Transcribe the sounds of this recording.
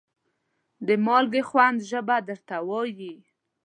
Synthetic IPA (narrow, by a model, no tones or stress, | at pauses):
d̪əmɑlɡexwand̪ʒəbad̪əɾt̪awɑji